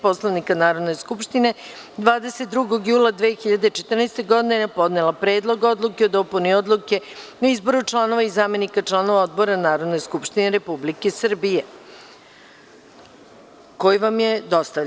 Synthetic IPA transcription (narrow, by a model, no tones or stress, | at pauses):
po̞slˠaʋnikanaːɾo̞d̪neskupʃt̪ine̞ | d̪ʋaːd̪eset̪̚d̪ɾuɡo̞ɡjuːlˠad̪ʋeːxiʎad̪et͡ʃet̪rnɛjst̪eɡo̞d̪inenapo̞d̪nelˠapɾe̞ːd̪lˠoɡo̞d̪lukeo̞d̪o̞punio̞d̪lˠuke̞ | oizbo̞ɾut͡ʃlˠaːno̞ʋaizaːme̞nikat͡ʃlˠaːno̞ʋao̞d̪bo̞ɾanaːɾo̞d̪ne̞skupʃt̪ineɾe̞publikesr̩bije̞ | ko̞jiʋamje̞d̪o̞st̪a